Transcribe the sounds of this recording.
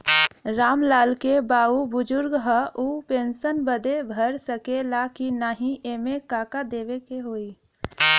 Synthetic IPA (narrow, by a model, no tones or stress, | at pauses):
ɾaːmlaːlkebaːubʊd͡ʒʊɾɡɦəʔupẽːnsənbəd̪ebʱəɾsəkelakinaːɦĩʔemẽkaːkad̪eːʋekeɦoːi